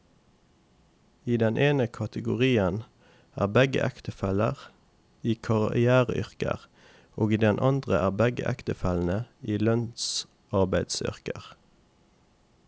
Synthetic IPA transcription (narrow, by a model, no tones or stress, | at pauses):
iːd̪ɛnʔeːnəkʰɑt̪əɡʊʁiːən | æ̰ːʁbɛɡə̰ʔækt̪əfɛləʁ | iːkʰɑʁɪæːʁəʔʏʁkə̰ʁ | oːɡiːd̪ɛnʔɑnd̪ʁəʔæːʁbɛɡə̰ʔæ̰kt̪əfɛln̩əiːlœns | ɑʁbæɪd̪sʏ̰ʁkəʁ